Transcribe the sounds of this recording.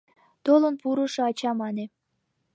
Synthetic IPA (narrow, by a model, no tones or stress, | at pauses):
t̪olŏnpuɾuʃɤɑt͡ɕɑmɑne